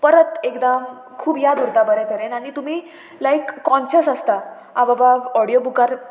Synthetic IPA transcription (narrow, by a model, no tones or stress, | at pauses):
pəɾət̪ekd̪am | kʰuːbjad̪uɾt̪abəɾɛt̪əɾenaɽ̃it̪um̤iː | lajkːɔ̃nɕəsəst̪a | ababaɔɽijobukaɾ